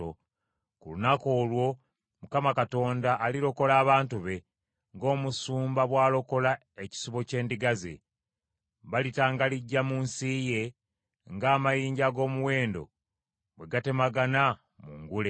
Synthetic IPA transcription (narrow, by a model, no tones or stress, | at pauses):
o | kṵlunako̞ːlwo̞ | mukamakato̞ːndaʔːliɾo̞ko̞laːβaːntuβe̞ | ŋɡo̞ːmusuːmbaβwaːlo̞ko̞la | e̞ci̥suβo̞ce̞ːndiɡazḛ | βalitaːŋɡaliɟːamunsije̞ | ŋɡaːmajiːɲɟaɡo̞ːmuwe̞ːndo̞̰ | βwe̞ɡate̞maɡana | mṵŋɡule